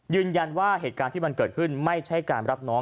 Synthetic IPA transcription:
jɯː˧nja˧nwaː˥˩heː˨˩t̪̚kaː˧t̪iː˥˩ma˧nkɤː˨˩t̪̚kʰɯ˥˩nma˥˩jt͡ɕʰa˦˥˩jkaː˧nɾa˦˥p̚nɔː˦˥ŋ

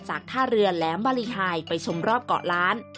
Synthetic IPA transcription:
t͡ɕaː˨˩k̚t̪ʰaː˥˩ɾɯ˧ənlɛː˩˦mbaː˧li˧ɦaː˧jpa˧jt͡ɕʰo˧mɾɔː˥˩p̚kɔ̰ː˨˩ʔlaː˦˥n

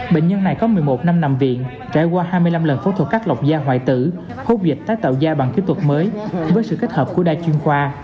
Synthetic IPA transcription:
ɓḛ˧˨ŋ̟ɲə˧nːa˨˩jkɔ˨˦mɨ˨˩əjmo˨˩t̚na˧mna˨˧˨mvḭ˧˨ən | t͡ɕa̰ː˧˩jkwaː˧haː˧jmɨ˧əjla˧mlə˨˩nfo˧˦t̪ʰt̚kaː˦˥k̚la˨˩wk͡p̚zaː˧ɦwa̰ː˧˨jt̪ɨ̰˧˩˨ | ho˧zï˨˩k̚t̪aː˨˦jt̪ə̰˧˨wzaː˧ɓa˨˩ŋki˨˦t̪ʰwə˨˩t̚məː˨˦jvəː˨˦jsɨ̰˧˨ke˦˥t̚həː˨˩p̚ku˧˩əɗaː˧jt͡ɕwi˧ənxwaː˧

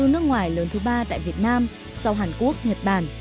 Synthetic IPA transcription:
ɨ˧nɨ˦˥ək̚ŋwaː˨˩jləː˨˦nt̪ʰɨ˨˦ɓaː˧t̪a̰ː˧˨jvi˨˩ət̚naː˧m | sa˧wɦaː˨˩nku˦˥ək̚ɲə˨˩t̚ɓaː˧˩n

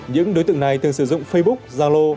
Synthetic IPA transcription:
ɲɨ̰˧˥ŋɗo˨˦jt̪ɨ̰˧˨əŋna˨˩jt̪ɨ˨˩əŋsɨ˧˩zʊ̰˧˨ŋ͡mfə˧jɓʊ˦˥k̚zaː˧lo˧

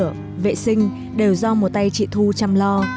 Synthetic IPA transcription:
ə | vḛ˧˨sï˧ŋ̟ | ɗe˨˩wzɔ˧mo˨˩t̚t̪a˧jt͡ɕḭ˧˨t̪ʰu˧t͡ɕa˧mlɔ˧

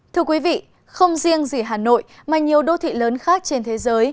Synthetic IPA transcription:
t̪ʰɨ˧əkwi˨˦vḭ˧˨ | xə˧wŋ͡mzi˧əŋzi˨˩ɦaː˨˩no̰˧˨j | maː˨˩ɲi˨˩əwɗo˧t̪ʰḭ˧˨ləː˨˦nxaː˦˥k̚t͡ɕe˧nt̪ʰe˨˦zəː˨˦j

